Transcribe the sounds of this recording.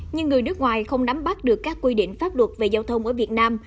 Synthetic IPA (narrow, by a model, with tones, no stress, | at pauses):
ɲɨ˧ŋːɨ˨˩əjnɨ˦˥kŋwaː˨˩jxə˧wŋ͡mɗa˨˦mɓa˦˥t̚ɗɨ˨˩əkːaː˦˥kːwi˧ɗḭ˧˨ŋ̟faː˦˥p̚lwə˨˩t̚ve˨˩zaː˧wt̪ʰə˧wŋ͡mʔə˧˩vi˨˩ət̚naː˧m